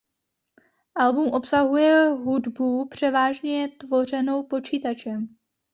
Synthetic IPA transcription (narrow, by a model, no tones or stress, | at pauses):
ʔalbumʔo̞psaɦujɛɦudbupr̝̥ɛvaːʒɲɛt̪vo̞r̝ɛno̞wpo̞t͡ʃiːt̪at͡ʃɛm